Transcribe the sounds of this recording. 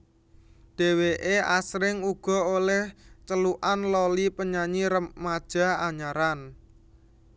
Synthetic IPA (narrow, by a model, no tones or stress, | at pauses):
d̥e̤weʔeʔasɾɪŋuɡ̥ɔ̤olɛht͡ʃəluʔanlolipəɲaɲiɾəːad̥ʒ̥a̤aɲaɾan